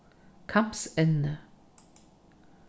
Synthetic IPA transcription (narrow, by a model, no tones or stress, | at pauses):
kʰɑmb̥sɛnnə